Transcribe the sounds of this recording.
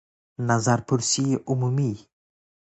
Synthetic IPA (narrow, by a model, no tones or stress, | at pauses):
nazaɾpuɾsiumumi